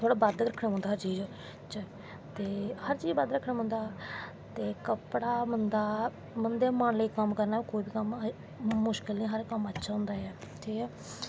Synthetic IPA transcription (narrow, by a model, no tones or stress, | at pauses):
t̪ʰoːɽaːbəd̪kɾəkʰnãːɦʊ̃nd̪aːɦəɾt͡ʃiːd͡ʒ | t͡ʃa | t̪eːhəɾt͡ʃiːd͡ʒbəd̪ɾəkʰːnãːɦʊ̃nd̪aː | t̪eːkəpɽaːmənd̪aː | mənd̪eːmaːɳləiːkəmkəɾnaːkoːiːbiːkəm | mʊʃkɪlnĩːɦəɾkəmətːʃʰaːɦʊ̃nd̪aːɛːʈʰiːkɛː